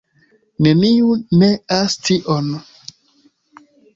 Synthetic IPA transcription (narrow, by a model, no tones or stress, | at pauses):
neniuneastʰiʔon